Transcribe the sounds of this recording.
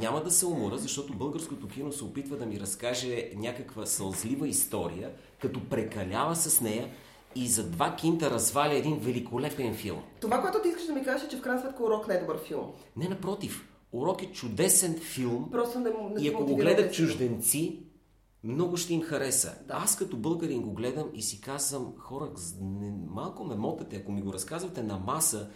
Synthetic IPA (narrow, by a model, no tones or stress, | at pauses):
ɲʲaməd̪ɐsɛʊmoɾəzɐʃt̪ɔt̪obɤlˠɡəɾskot̪ok̟inosɛopit̪vəd̪ɐmiɾɐskaʒɛnʲakəkvəsɐlˠzlivəist̪ɔɾḭjə | kɐt̪ɔpɾɛkɐlʲavəsɐsnɛjə | izɐd̪vak̟int̪əɾɐzvalʲəɛd̪invɛlikolɛpɛnfḭlˠmt̪ovakoɛt̪ʊt̪iiskəʃd̪ɐmikazɛʃɛt͡ʃɛfkɾajnsmɛt̪kəʊɾɔknajd̪obəɾfilˠm | nɛnɐpɾɔt̪if | oɾɔkɛt͡ʃʊd̪ɛsɛnfilˠmpɾɔst̪onɛmnɛiɐkoɡoɡlɛd̪ət͡ʃʊʒd̪ɛnt̪si | mnɔɡʊʃt̪ɛimxɐɾɛsə̰askɐt̪ɔbɤlˠɡəɾimɡoɡlɛd̪əmisikazvəmxɔɾəkznɛmalˠkomɛmɔt̪ɐt̪ɛɐkomiɡoɾɐskazvɐt̪ɛnɐmasə